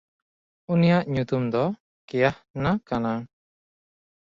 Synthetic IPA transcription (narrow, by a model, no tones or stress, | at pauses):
unijaʔɲut̪umd̪ɔ | kɛjahnakana